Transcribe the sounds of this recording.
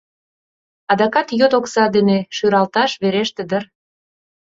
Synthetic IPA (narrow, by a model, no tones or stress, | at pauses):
ɑd̪ɑkɑt̪jot̪oksɑd̪eneʃyɾɑlt̪ɑʃβeɾeʃt̪ĕd̪ər